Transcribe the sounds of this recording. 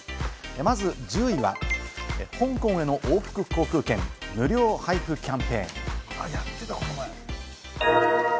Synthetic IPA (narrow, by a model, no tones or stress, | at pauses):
emazɨd͡ʑɨːiβa̰ehõ̞ŋkõ̞ɰ̃e̞no̞ʔoːɸɯ̥kɯ̟kʰo̞ːkɯ̟ːkẽ̞nmɯ̟ɾʲo̞ːhaiɸɯ̟kʲãmpe̞̰ːŋjat̪ːet̪akot̪omo